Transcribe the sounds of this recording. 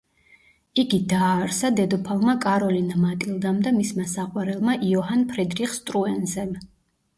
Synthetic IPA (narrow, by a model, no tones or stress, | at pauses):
iɡid̪aːɾsad̪ɛd̪ɔpʰavmakʼaɾɔlinamat̪ʼilˠd̪amd̪amismasaqʼwaɾɛlˠmaʔiɔɦanpʰɾid̪ɾiχst̪ʼɾuɛnzɛm